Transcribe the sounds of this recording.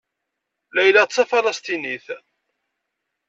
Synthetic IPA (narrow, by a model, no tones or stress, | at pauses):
læjlæt͡sːæfɑlɑst̪iniθ